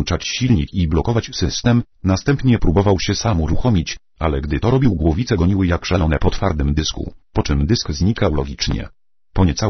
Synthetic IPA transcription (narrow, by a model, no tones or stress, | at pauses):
t͡ʂat͡ɕɕilɲikiblɔkɔvat͡ɕsɘst̪ɛm | nast̪ɛmpɲɛpɾubɔvawɕɛsamuɾuxɔmʲit͡ɕ | alɛɡd̪ɘt̪ɔɾɔbʲiwɡwɔvʲit̪sɛɡɔɲiwɘjakʂalɔnɛpɔt̪faɾd̪ɘmd̪ɘskṵpɔt͡ʂɘmd̪ɘskzɲikawlɔɡʲit͡ʂɲɛ̰ | pɔɲɛt̪sa